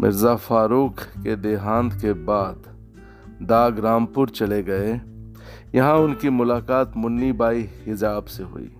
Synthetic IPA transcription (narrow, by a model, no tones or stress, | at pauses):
mʔɪ̰ɾzafaːɾuːkʰked̪eːɦãːnd̪kebaːd̪ | d̪aːɡɾaːmpʊɾt͡ʃɐleɡɐe | jɐɦãʊnkimʊlaːkaːt̪mʊnːibaːihɪzaːbseɦʊ̰ḭː